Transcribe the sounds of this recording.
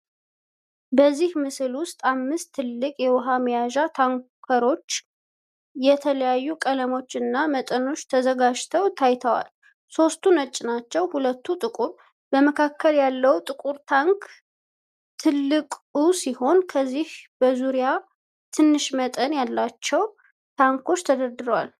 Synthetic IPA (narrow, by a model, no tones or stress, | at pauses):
bəzːihmɨsɨlwʊst̪ʼamːɨst̪ʰːɨlːɨkʼjɛwɔɦamjaʒat̪ʰaŋkʰəɾo̞t͡ʃː | jɛt̪ʰələjajːukʼələmo̞t͡ʃːɨnːamət̪ʼəno̞t͡ʃːt̪ʰəzəɡad͡ʒt̪ʰəwt̪ʰajt̪ʰəwa̰l | so̞st̪ʰunət͡ʃʼːnat͡ʃːɛwhulət̪ːut̪ʼɨkʼuɾ | bəməkʰakːəljalːəwt̪ʼɨkʼuɾt̪ʰaŋk | t̪ʰɨlːɨkʼusiho̞nkʰəzːihb̥əzuɾija | t̪ʰɨnːɨʃmət̪ʼənjalːat͡ʃːɛw | t̪ʰaŋkʰo̞t͡ʃːt̪ʰəd̪əɾd̪ɨɾəwal